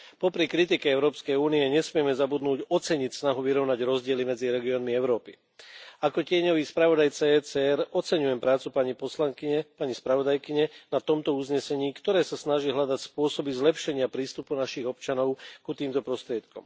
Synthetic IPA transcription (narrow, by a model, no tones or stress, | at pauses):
pɔpɾikɾit̪̬ikɛɛʊɾɔːpskɛjuːniɛɲɛsmɪɛmɛzabud̪nuːɟɔt͡sɛɲicsnaɦuʋiɾɔʊnaɟɾɔzɟɪɛlimɛd͡ziɾɛɡiɔːnmiɛʊɾɔːpi | akɔcɪɛɲɔʋiːspɾaʋɔd̪ajt͡sɛt͡sɛɛɾɔt͡sɛɲujɛmpɾaːt͡supaɲipɔslaŋkiɲɛpaɲispɾaʋɔd̪ajkiɲɛnat̪ɔmt̪ɔuzɲɛsɛɲiːkt̪ɔɾɛːsasnaʒiːɦlʎad̪acspʊɔsɔbizlɛpʃɛɲɪapɾiːst̪upunaʃiɣɔpt͡ʃanɔʊkut̪iːmt̪ɔpɾɔst̪ɾɪɛt̪kɔ̰m